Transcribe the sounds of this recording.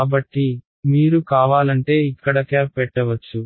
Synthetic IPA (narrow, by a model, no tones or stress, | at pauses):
aːbɐʈːi | miːɾukaːʋaːlɐɳʈe̞ːikːɐɽɐkɐːpɛʈːɐʋɐt͡ʃːu